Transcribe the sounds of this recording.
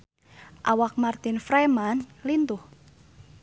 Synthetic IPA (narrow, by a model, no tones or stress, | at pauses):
ʔawak̚mart̪ɪnfɾamanlint̪ʊh